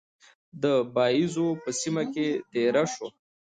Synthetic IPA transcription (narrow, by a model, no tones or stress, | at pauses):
d̪əbɑizopəsimaket̪eɾaʃo